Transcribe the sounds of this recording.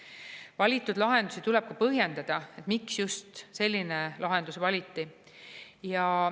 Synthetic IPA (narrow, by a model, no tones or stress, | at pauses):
vɑlʲit̪ːˑud̪̥lɑɦe̞nd̪̥usit̪ulɛb̥̚kɑpɤɦje̞nd̪̥ɑd̪̥ɑe̞t̪ˑmiksjust̪se̞lʲːinelʔɑɦe̞nd̪usvɑlʲit̪ːˑi | jɑ